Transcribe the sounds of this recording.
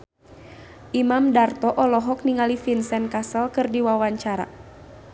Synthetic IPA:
ʔimamdart̪ɔʔɔlɔɦɔk̚niŋalifinsɛnkasəlkɨrdiwawaɲt͡ʃaɾa̰

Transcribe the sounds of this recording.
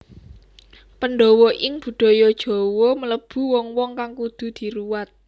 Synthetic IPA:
pənɖɔwoʔɪŋb̥ṳd̪̥ɔ̤jɔd̥ʒ̥ɔ̤womələb̥ṳwɔŋwɔŋkaŋkud̪̥ṳd̪̥i̤ɾuwat̪̚

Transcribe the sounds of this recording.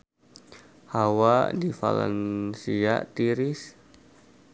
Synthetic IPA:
hawadifa̰lɛ̰nsiat̪iɾɪs

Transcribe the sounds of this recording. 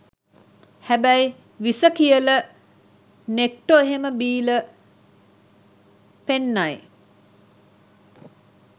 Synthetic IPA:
hæbæj | ʋisəkijələ | nek̚ʈoeɦeməbiːlə | penːaj

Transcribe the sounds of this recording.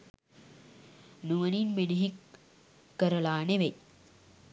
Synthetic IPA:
nuʋɐninmeniɦikː | ɐɾɐlaːneʋej

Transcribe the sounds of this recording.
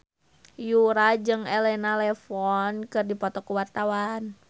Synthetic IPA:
juɾad͡ʒɨŋɛlɛnalɛfɔnkɨrdipɔt̪ɔkuwart̪awan

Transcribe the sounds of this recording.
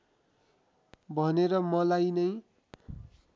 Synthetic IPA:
bʱʌneɾʌmʌlajnʌj

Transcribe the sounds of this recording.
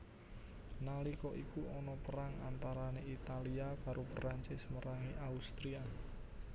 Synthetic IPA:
nalikɔʔikuɔnɔpəɾaŋa̰nt̪aɾaneit̪aliapaɾʔupəɾaɲt͡ʃɪsməɾaŋiʔaust̪ɾia

